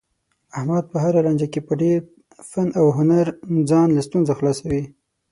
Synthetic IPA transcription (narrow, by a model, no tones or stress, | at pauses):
ahmad̪̚pəɦaɾaland͡ʒakepəɖeɾ | fanawɦʊnaɾd͡zɑnlast̪unzaxlɑsawi